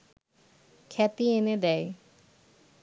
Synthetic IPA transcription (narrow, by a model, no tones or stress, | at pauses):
kʰɛt̪iened̪ɛj